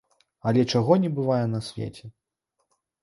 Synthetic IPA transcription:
ɐlʲɛt͡ʂaɣɔnʲɛbɨvajɛnɐsʲvʲḛt͡sʲɛ

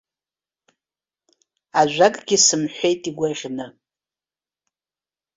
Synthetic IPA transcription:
aʒᶣʷakʼɡʲisɨmħʷejtʼiɡʷaʁʲnɨ

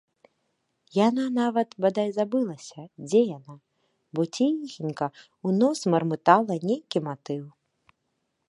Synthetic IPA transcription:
jananavɐt̪bad̪ajzabɨlˠɐsʲɐd͡zʲɛjana | bɔt͡sʲixʲinʲkɐ | unɔsmɐrmɨt̪alˠɐnʲejkʲimat̪ɨw

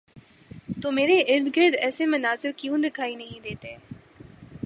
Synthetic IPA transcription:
t̪oːmeːɾeʔɪɾd̪ɡəɾd̪ɛːsemɐnaːzɪɾkjũːd̪ɪkʰaːinɐɦĩd̪eːt̪eː

